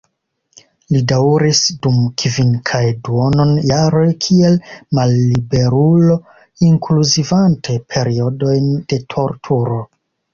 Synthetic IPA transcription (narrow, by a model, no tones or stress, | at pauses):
lidawɾisdumkʰviŋkʰajduo̞no̞njaɾo̞jkʰie̞lmalːibe̞ɾulo̞ | iŋkluzivantʰe̞pʰe̞ɾio̞do̞jnd̥e̞tʰo̞ɾtʰuɾo̞